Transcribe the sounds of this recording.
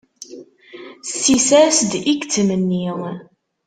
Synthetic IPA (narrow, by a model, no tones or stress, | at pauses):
sisæsd̪ikt͡sːəmənːi